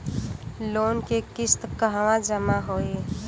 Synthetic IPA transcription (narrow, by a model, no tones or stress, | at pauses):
lonkekist̪kəɦwãd͡ʒəmaɦoe